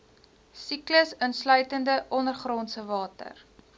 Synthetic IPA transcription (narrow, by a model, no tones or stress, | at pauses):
sikləsənslœɥtəndəʔɔnərχrɔnsəvɑːtə̰r